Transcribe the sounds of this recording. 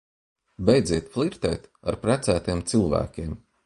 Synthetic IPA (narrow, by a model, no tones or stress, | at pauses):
bʲɛjd̪ziɛt̪flˠiɾt̪ɛ̰jt̪aɾpɾæt̪sæːt̪ijɛmt̪silˠvæ̰ːkʲeɛm